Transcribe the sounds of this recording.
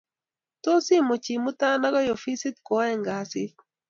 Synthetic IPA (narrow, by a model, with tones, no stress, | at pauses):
t̪o˦si˦mo˨t͡ʃi˨mu˦t̪a˦na˦ɡɔ˦jo˨fi˦si˦t̪kɔ˦ɛ˨ŋɡa˨sɪ˦